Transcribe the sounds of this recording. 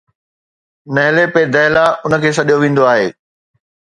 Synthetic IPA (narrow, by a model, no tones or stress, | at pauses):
nɐɦɪlepeːd̪ɐɦlaʊnə̆kʰeːs̬ɐɗijoʋĩːn̆d̪oaːɦeː